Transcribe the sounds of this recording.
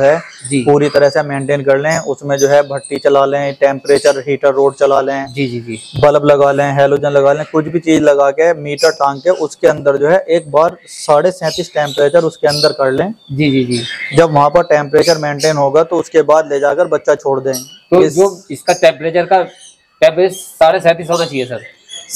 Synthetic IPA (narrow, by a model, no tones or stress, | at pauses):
ɦɛd͡ʒiːpuːɾit̪ɐɾəɦsemẽːɳʈeːnkɐɾlẽɦɛ̃ʊsmẽd͡ʒoːɦɛbʱɐʈːit͡ʃɐlaːlẽʈɛ̃ːmpɾeːt͡ʃəɾɦiːʈəɾːoːɖt͡ʃɐlaːlẽɛ̃d͡ʒiːd͡ʒid͡ʒibɐləblɐɡaːlẽɦɛːloːd͡ʒənlɐɡaːlẽkʊt͡ʃʰbʱit͡ʃiːzlɐɡaːkemiːʈəɾʈãːŋkeʔʊskeɐ̃nd̪əɾd͡ʒoːɦɛʔeːk̚baːɾsaːɽesɛ̃ːt̪iːsʈɛ̃ːmpɾeːt͡ʃəɾʊskeɐ̃nd̪əɾkɐɾlẽːd͡ʒiːd͡ʒiːd͡ʒiːd͡ʒɐbʋɐɦãpɐɾʈɛ̃ːmpɾeːt͡ʃəɾmẽːɳʈeːnɦoːɡat̪oʊskebaːd̪leːd͡ʒaːkəɾbɐtːʃat͡ʃʰoːɽd̪ẽːt̪oːɪd͡ʒoːɪskaʈɛ̃ːmpɾeːt͡ʃəɾka | ʈɛ̃ːmpɾeːsaːɽesɛ̃ːt̪isoːɽat͡ʃiɛsɐɾ